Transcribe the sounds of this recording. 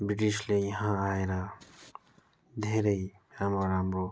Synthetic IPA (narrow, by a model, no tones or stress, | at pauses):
biʈislejaɦãaeɾa | d̪ʱeɾəj | amɾɔɾamɾo